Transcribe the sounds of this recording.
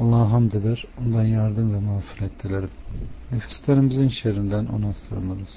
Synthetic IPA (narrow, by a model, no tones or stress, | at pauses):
ɑlˠːɑːɦamd̪ed̪æɾond̪anjaɾd̪ɯmvɛmafɯɾet̪ʰːilʲeɾimnefi̥slʲeɾimizinʃeɾind̪ænʔo̞̰nasɯ̰ɯnɯɾɯz̥